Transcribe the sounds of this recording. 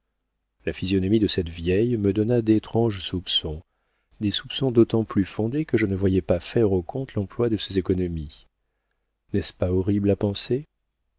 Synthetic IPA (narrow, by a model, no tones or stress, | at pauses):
lafizjɔnɔmid̪əsɛt̪vjɛjməd̪ɔnad̪et̪χɑ̃ʒsupsɔ̃ | d̪esupsɔ̃d̪ot̪ɑ̃plyfɔ̃d̪ekəʒənəvwajɛpafɛʁokʰɔ̃t̪lɑ̃plwad̪əsezekɔnɔmi | nɛspaɔʁiblapɑ̃se